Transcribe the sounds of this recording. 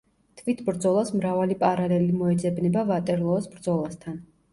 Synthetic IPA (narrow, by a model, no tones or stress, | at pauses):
t̪ʰvit̪ʰbɾd̪zɔlˠasmɾavalipʼaɾalɛlimɔɛd̪zɛbnɛbavat̪ʼɛɾlˠɔːsbɾd̪zɔlˠast̪ʰan